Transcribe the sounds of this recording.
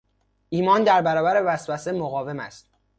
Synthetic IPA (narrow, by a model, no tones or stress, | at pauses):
ʔiːmɒːnd̪æɾbæɾɒːbæɾe̞væsvæsemoɣɒːve̞mæ̰st̪